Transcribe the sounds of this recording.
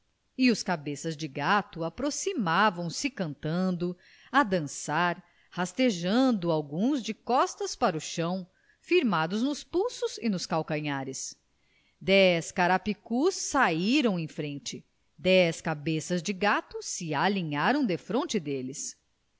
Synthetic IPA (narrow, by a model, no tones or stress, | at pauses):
iʊskabesɐzd͡ʒɪɡat̪ʊapɾosimavɐ̃w̃sɪkɐ̃nt̪ɐ̃nd̪ʊ | ad̪ɐ̃saɾ | hast̪eʒɐ̃nd̪ʊawɡũzd͡ʒɪkɔst̪ɐspaɾʊʃɐ̃w̃ | fiɾmad̪ʊznʊspuwsʊzɪnʊskawkɐ̃ɲaɾɪs | d̪ɛskaɾapikusːaiɾɐ̃w̃ẽj̃fɾẽnt͡ʃɪ | d̪ɛskabesɐzd͡ʒɪɡat̪ʊsɪalĩɲaɾɐ̃w̃d̪efɾõnt͡ʃɪd̪elɪs